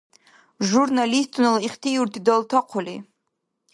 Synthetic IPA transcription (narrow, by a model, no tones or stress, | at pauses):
ʒurnalist̪ʰʼunaliχt̪ʰijuɾt̪ʰid̪alˠt̪ʰaqʷʰʊli